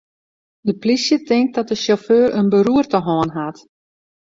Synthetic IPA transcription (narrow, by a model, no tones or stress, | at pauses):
dəplisjətɪŋk̚dɔt̚dəsoføːrənbəɾuərtəɦɔənɦat